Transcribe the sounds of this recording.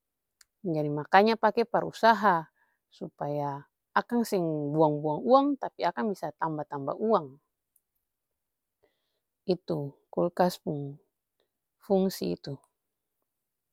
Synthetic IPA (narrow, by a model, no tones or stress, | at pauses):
d͡ʒadimakaɲapakɛpaɾṵsaɦa | supajaː | kaŋsɛŋbuaŋbuaŋuaŋt̪apiakaŋbisat̪ambat̪amba̰ʔuaŋ | it̪ukulkaspuŋ | fuŋsiḭt̪u